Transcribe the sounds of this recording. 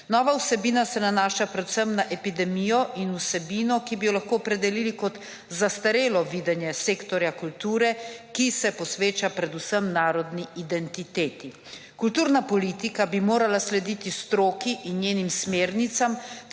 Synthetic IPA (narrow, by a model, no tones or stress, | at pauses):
nɔːʋausɛbiːnasɛnanaːʃapɾɛd̪u̥səmnaʔɛpid̪ɛmijɔʔinusɛbiːnɔkibijɔlaxkoːɔpɾɛd̪ɛliːlikɔt̪ | zast̪aɾeːlɔʋiːd̪ɛnjɛseːkt̪ɔɾjakult̪uːɾɛkisɛpɔsʋeːt͡ʃapɾɛd̪usəmnaːɾɔd̪niid̪ɛnt̪it̪eːt̪i | kult̪uːɾnapɔliːt̪ikabimoːɾalaslɛd̪iːt̪ist̪ɾoːkiʔinjeːnimsmeːɾnit̪sam